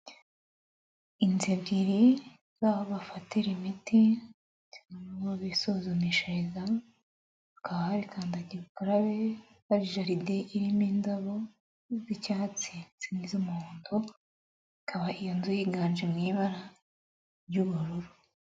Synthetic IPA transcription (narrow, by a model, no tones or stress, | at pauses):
inzebɟiɾi | zaːβoβafateɾimiti | cauβaβisozomiʃeza | akaβahaɾikʰaːndaɟiβukaɾaβe | βaɾiʒaɾideʔiɾiminzaβo | zicaːt͡sit͡sinizomuoːndo | ikʰaβaʔijanzujiɡaːnd͡ʒemŋiːβaɾa | ɾɟuβuɾuɾu